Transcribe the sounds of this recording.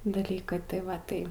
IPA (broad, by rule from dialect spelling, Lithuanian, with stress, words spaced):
dɐˈlʲiːkɐɪ tɐɪ ˈʋɐ ˈtɐɪ